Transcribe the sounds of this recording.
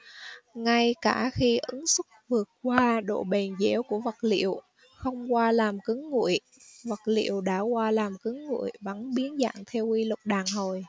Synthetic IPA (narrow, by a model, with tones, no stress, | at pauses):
ŋa˧jkaː˧˩xi˧ʔɨ˨˦ŋsɨ˦˥k̚vɨ˨˩ət̚kwaː˧ɗo̰˧˨ɓe˨˩nze˧˥ku˧˩əvə˨˩t̚lḭ˧˨əw | xə˧wŋ͡mkwaː˧laː˨˩mkɨ˨˦ŋːṵ˧˨əj | və˨˩t̚lḭ˧˨əwɗa̰ː˧˥kwaː˧laː˨˩mkɨ˨˦ŋːṵ˧˨əjvə̰˧˩nɓi˨˦ənza̰ː˧˨ŋt̪ʰɛ˧wi˧lʊ˨˩k͡p̚ɗaː˨˩ŋɦo˨˩j